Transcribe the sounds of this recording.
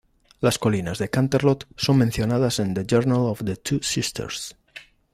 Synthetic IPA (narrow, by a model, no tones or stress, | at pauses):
laskolinazðekãnt̪eɾlot̪so̞ŋmẽnθjonaðasend̪ed͡ʒeɾnalofðet̪ʰusist̪ʰḛɾs